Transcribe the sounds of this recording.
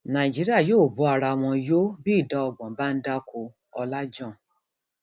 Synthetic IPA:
nã˨i˨d͡ʒi˨˦ɾi˦a˦˨joː˦˨bu˨˦a˧ɾa˧˨w̃ɔ̃˧jo˦bi˦i˦˨da˨˦ɔ˧˨ɡ͡bɔ̃˨ba˦n̩˦da˦kʰo˧ | ɔ˧la˦d͡ʒɔ̃˦˨

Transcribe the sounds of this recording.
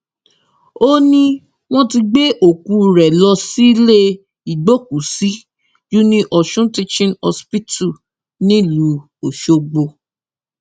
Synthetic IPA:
o˦nĩ˧ | w̃ɔ̃˦ti˧ɡ͡be˦ʔo˦˨ku˧˦ɾɛ˨lɔ˧si˦le˦ | i˨ɡ͡bo˦ku˨si˨˦ | d͡ʒu˦nĩ˧ʔɔ˨ʃũ˦ti˧t͡ʃĩ˦nɔ˧spi˦tu˦˨ | nĩ˦˨lu˨˦ | o˨ʃo˧ɡ͡bo˧

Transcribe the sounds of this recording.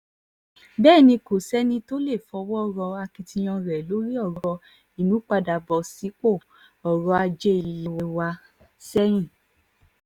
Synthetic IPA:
bɛː˦˨nĩ˧ko˨sɛ˦nĩ˧to˦le˦˨fɔ˧˦wɔ˦˨ɾɔ˧a˧ki˧tĩ˧j̃ɔ̃˧ɾɛ˨lo˨˦ɾi˦ɔ˦˨ɾɔ˧ | i˨nũ˨˦k͡pa˧da˨bɔ˨si˨˦k͡po˦˨ | ɔ˨ɾɔ˧a˧d͡ʒe˦i˨i˧wɛ˧wa˧ | sɛ˦ɾ̃ĩ˦˨

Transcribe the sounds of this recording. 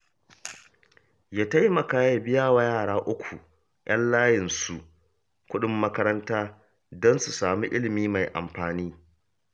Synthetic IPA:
jaː˦ta˦jmɐ˨kaː˦ja˨bɪ˦jaː˦wa˨jaː˦˨ɽaː˦ʔʊ˦kʷʰu˨ | j̰ʔɐ˦nlaː˦jɪ˨nsu˨ʔ | kʷʊ˦ɗɪ˦mːɐ˦kɐ˦ɾɐ˦ntaː˦ | dɔ˦nsu˨saː˨mi˦ʔɪ˦lɪ˨miː˦ma˨jʔa̰˨mɸaː˨niː˦

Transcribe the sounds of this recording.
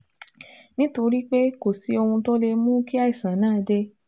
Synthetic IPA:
nĩ˦to˧ɾi˦k͡pe˦ko˨si˨˦o˧hũ˧tɔ˦le˧mũ˦ki˦a˦i˨sã˨˦nãː˦˨˧de˧

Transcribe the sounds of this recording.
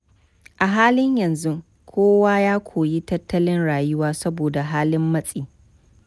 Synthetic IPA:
ʔa˨ɦaː˦lɪ˦ɲjɐ˨nzu˦ | kʷʰoː˦waː˦jaː˦kʷʰoː˨ji˦tɐ˦tʰːɐ˦lɪ˦nɽaː˨jʊ˦waː˦sɐ˦boː˨da˨ɦaː˦lɪ˦mːɐ˦sʼiː˦

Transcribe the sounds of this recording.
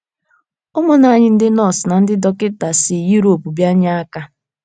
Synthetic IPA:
ʊ˦mʊ˦na˨a˦˨ɲɪ˦n̩˦dɪ˦nɔ˦˨sna˨n̩˦dɪ˦dɔ˦kɪ˦ta˨sɪ˨ju˦ɾo˨pu˨bja˦ɲa˦a˦ka˦

